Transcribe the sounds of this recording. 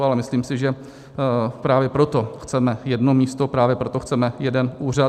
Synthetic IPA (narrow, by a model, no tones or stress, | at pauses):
alɛmɪsliːmsɪʒɛ | pɾaːvjɛpɾo̞t̪o̞xt͡sɛmɛjɛdnomiːst̪opɾaːvjɛpɾo̞t̪o̞xt͡sɛmɛjɛdɛnʔuːra